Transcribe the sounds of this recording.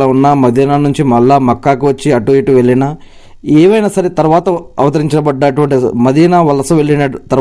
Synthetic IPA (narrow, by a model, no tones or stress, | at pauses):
ɐunːaːmɐd̪iːnaːnuɲt͡ʃimɐɭːaːmɐkːaːkiʋɐt͡ʃːiɐʈːuʋiːʈuʋe̞ɭːinaː | ɛːʋɐjnaːsɐɾet̪ɐɾuʋaːt̪ɐɐʋɐt̪ɐɾiɲt͡ʃɐnɐbɐɖːɐʈuʋɐɳʈimɐd̪iːnaːʋɐlɐsɐʋe̞ɭːinɐt̪ɐɾ